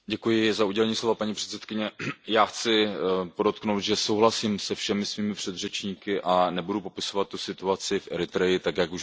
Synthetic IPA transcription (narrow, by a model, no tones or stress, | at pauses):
ɟɛkujɪzauɟɛlɛɲiːslo̞vapaɲipr̝̥ɛt̪sɛt̪kɪɲɛjaːxt͡sɪpo̞do̞t̪knowt̪ʒɛsowɦlasimsɛfʃɛmɪsviːmɪpr̝̥ɛd̪r̝ɛt͡ʃɲiːkɪʔanɛbudupo̞pɪso̞vat̪ːusɪt̪uat͡sɪfʔɛ̰ɾɪt̪ɾɛjɪt̪akjakuʃ